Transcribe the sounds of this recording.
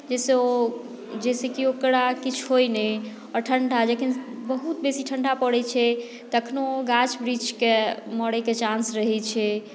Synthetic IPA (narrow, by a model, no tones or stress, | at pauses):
d͡ʒɛseo | d͡ʒɛsekiokɾakit͡ʃʰɦojnɛj | ɔɾʈʰəɳɖʱad͡ʒekʰinbəɦut̪besiʈʰəɳɖapəɽɛt͡ʃʰɛ | t̪ɔəkʰnoɡat͡ʃbɾid͡ʒkeməɽɛket͡ʃãnsɾəɦɛt͡ʃʰɛ